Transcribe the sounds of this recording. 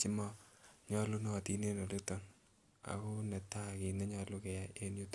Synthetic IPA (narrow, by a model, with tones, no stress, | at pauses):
t͡ʃi˦mɔ˦ɲɔ˦lu˦nɔ˦˨ti˨ne˦no˨de˦tɔ˨n | a̰˨ko˦nɛ˨ta˦ki˨nɛ˦ɲɔ˨lu˦kɛ˨ja˦e˦nju˦t